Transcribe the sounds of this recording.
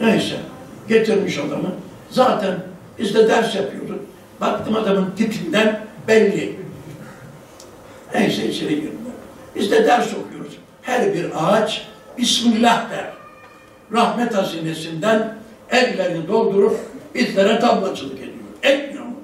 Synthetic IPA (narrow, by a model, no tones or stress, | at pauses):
nɛisɛ̰ɟet̪ʰiɾmiʃad̪amɯ | zaːt̪ʰænb̥izd̪ɛd̪æɾsjapʰɯjo̞ɾuz | bak̚t̪ʰɯːmad̪amɯnt̪ʰit̪ʰind̪ænbælʲːi | ɛnʃejʃeɾiɟiɾoɾb̥izd̪ɛd̪æɾso̞kʰujo̞ɾuz̥ | hæɾbiɾat͡ʃ | b̥ismɡlʲahd̪æ̰ɾ | ɾahmɛt̪aziːnesind̪æn | ɛlɡlʲeɾinid̪o̞lˠd̪uɾup̚b̥izlʲeɾɛt̪ʰabmˠat͡ʃʰɯlˠɯked̪ijoɾɛtmio